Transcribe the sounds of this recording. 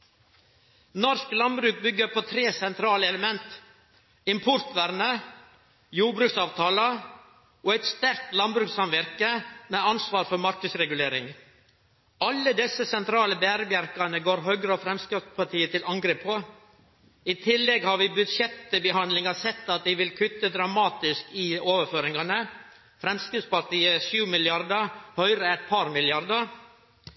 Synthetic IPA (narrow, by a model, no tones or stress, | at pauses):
nɔɾsklɑnbɾʉːk̚bʏɡːəɾpʰoːt̪ʰɾeːsɛnt̪ʰɾɑːləɛləmɛnt̪ | ɪmpʰʊɾt̪ʋæɾnə | juːɾbɾʉːksɑːʋt̪ʰɑːlə | oːæɪt̪st̪æɾk̚t̪lɑnbɾʉːksɑmʋæɾkəmɛːɑnsʋɑːɾfɔɾmɑɾkəsɾɛɡʉleːɾɪŋ | ɑlːəd̪ɛsːəsɛnt̪ʰɾɑːləbæːɾəbjæɾkɑnəɡoːɾɦœɡɾəɔfɾɛmskɾispʰɑʈ̪iːət̪ʰɪlʔɑŋɡɾeːpʰːo | ɪt̪ʰɪlːɛɡhɑɾʋɪbʉd̪ʃɛt̪ːəbəhɑnd̪lɪŋɑsɛt̪ːɑt̪̚d̪ɪʋɪlkʰʉt̪ːəd̪ɾɑmɑːt̪ɪskɪoːʋəføːɾɪŋɑnə | fɾɛmskɾɪspɑɾʈ̪iːəʃʉːmɪlɪɑɾd̪əhœʏɾəɛt̪̚pʰɑɾmɪlɪɑɾd̪əɾ